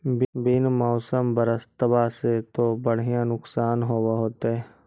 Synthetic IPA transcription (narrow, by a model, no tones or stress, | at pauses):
bbɪnmɔːsəmbəɾəst̪əbaset̪obəɽ̤ijãnʊksaːnɦoːwaɦoːt̪eɦɛ